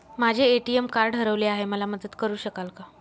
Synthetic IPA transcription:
mad͡ʑʱeːʈiemkaɾɖɦəɾəʋleaɦeməlaməd̪əd̪kəɾuːɕəkalka

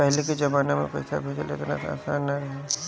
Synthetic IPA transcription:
pɛɦleked͡ʒɐbaːnamḛ̃pɛ̰ɪsa̰bʱeːd͡ʒɐlḛt̪ena̰t̪a̰ːsaːnːaɾɐɦe

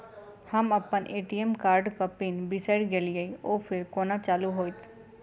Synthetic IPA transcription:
hɐmɐpːənʔeːʈiemkaːɾɖkɐpinbɪseɽɡelijəioːpʰɪɾkoːnat͡ʃaːluɦoːit̪

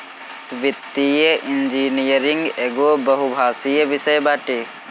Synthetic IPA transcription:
ʋit̪ːijeʔind͡ʒinijəɾiŋɡeɡobəɦubʱaːsijəbisəjbaːʈe

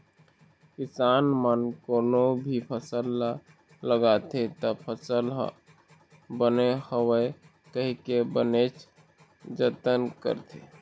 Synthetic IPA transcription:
kɪsanmənkonobʱipʰəsəlːa | ləɡat̪ʰet̪ɔpʰəsəl | bənehəwəe | kəɦikebənet͡ʃ | d͡ʒət̪ənkə̰ɾt̪ʰe

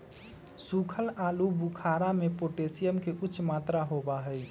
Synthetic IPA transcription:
sukʰəlalubukʰaɾamepoʈesijəmkeʔuːt͡ʃʰːʃmat̪ɾaɦobaɦəj

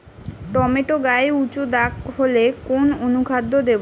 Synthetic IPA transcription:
ʈɔmeʈoɡaeut͡ɕud̪akɦolekononukʰad̪ʱːod̪ebo

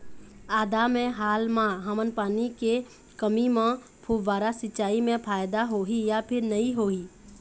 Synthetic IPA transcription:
aːd̪amẽɦaːlmãɦəmənpaːnike | kəmimẽ | pʰuːʋaːɾasɪʃaːimẽpʰaːjd̪aɦoːijapʰɪɾnɐiɦoːiː

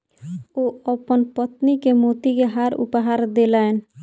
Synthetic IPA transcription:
oəpənpət̪nikemot̪ikeɦaɾṵpɦaɾd̪elaen

